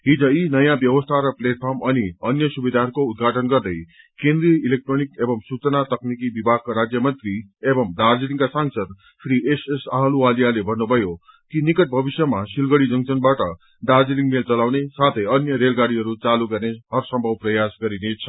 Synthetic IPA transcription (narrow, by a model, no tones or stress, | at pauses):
ɦid͡zʌinʌjãbjʌwʌst̪ʰaɾʌpleʈ̚pʰʌrmʌniʌnjʌsubed̪arkoud̪̚ɡʱaʈʌnɡʌrd̪ʌj | kẽnd̪ɾiʌilek̚ʈronikebʌmsut͡sʌnat̪ʌknik̬ibibʱaɡ̚kaɾad͡zjʌmʌnt̪riebʌmd̪ard͡ziliŋkasaŋsʌd̪̚ | pʰɾiʔesesaɦʌlualijalebʱʌnːubʱʌjo | kinikʌʈ̚bʱʌbisjʌmasilɡʌɽid͡zʌŋt͡sʌnbaʈʌ | d̪ard͡ziliŋmelt͡sʌlawnesat̪ʰʌjʌnjʌɾelɡaɽiɦʌɾut͡saluɡʌrneɦʌrsʌmbʱʌwprʌjasɡʌɾinet͡sʰʌ̥